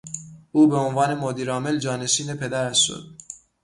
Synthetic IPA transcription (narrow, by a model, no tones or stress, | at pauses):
uːbe̞onvɒːne̞mod̪iːɾɒːmeld͡ʒɒːne̞ʃiːnepʰe̞d̪æɾæʃʃo̰d̪̥̚